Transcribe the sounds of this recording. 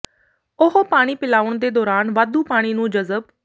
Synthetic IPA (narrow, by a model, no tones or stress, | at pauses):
ʊɦopaːɽ̃iːpɪlaːʊɳd̪eːd̪ɔːɾaːnʋaːd̪uːpaːɽ̃iːnũːd͡ʒəzəb